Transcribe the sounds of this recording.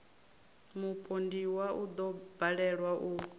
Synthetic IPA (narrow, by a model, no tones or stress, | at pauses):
mupʼondiwaʔud̪ɔbaɺɛɺwaʔu